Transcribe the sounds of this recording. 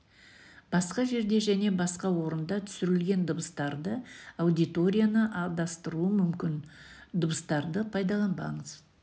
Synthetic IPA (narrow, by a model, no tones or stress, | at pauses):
b̥ɑsqɑʒe̞ɾd̪e̞ʒæne̞bɑsqɑwo̞ɾənd̪ɑt̪ʰʏ̥sʏɾɪlɡʲe̞nd̪ʊbəst̪ɑɾd̪əawd̪it̪o̞ɾʲijanəʔɑd̪ɑst̪əɾuəmʏmkʲɪnd̪ʊbəst̪ɑɾd̪əpʰɑjd̪ɑlˠɑnbɑ̰ɴəz